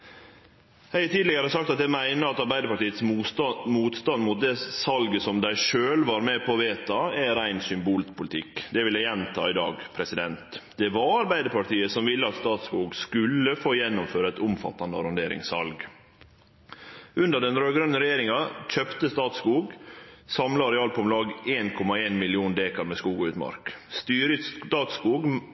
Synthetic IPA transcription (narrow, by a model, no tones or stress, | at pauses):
hæɪt̪ʰiːd̪lɪɡəɾəsɑkt̪ɑt̪̚d̪ɛmæɪnəɑt̪ɑɾbæɪd̪əpɑʈiːət̪smuːt̪st̪ɑnd̪mʊt̪̚d̪ɛsɑlɡəsɔmd̪æɪʂøːlʋɑɾmɛpʰɔʋeːt̪ɑæɾæɪnsʏmbuːlpʰʊlɪt̪ʰɪkːd̪ɛʋɪlːæjɛnt̪ʰɑ̰ːɪd̪ɑ̰ːɡpʰɾɛsɪd̪ɛnt̪d̪ɛʋɑɑɾbæɪd̪əpɑʈiːəsɔmʋɪlːəɑt̪st̪ɑːt̪skuːɡskʉlːəfoːjɛnːʊmføːɾəɛt̪ʊmfɑ̰t̪ːɑnd̪əɑɾɑnd̪eːɾɪ̰ŋsɑ̰lɡ | ʉnd̪əɖɛnɾøːɡɾœnːəɾɛjeːɾɪŋɑc͡çœpt̪əst̪ɑːt̪skuːɡsɑmlɑɾɛɑːlpʰɔmlɑːɡeːnkʰɔmɑeːnmɪlɪuːnd̪eːkɑɾmɛskuːɡɑʉːt̪mɑ̰ɾkst̪yːɾət̪ɑːt̪skuːɡ